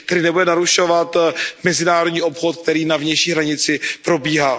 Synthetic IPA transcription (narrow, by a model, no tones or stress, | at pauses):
kt̪ɛɾɪnɛbudɛnaɾuʃo̞vat̪mɛzɪnaːɾodɲiːʔo̞pxot̪k̚t̪ɛɾiːnavɲɛjʃiːɦɾaɲɪt͡sɪpɾo̞biːɦaː